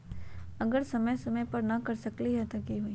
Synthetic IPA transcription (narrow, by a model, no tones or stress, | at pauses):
ɐɡəɾsɐməjsɐməjpɐɾnɐkɐɾsɐkliɦɛt̪okiɦui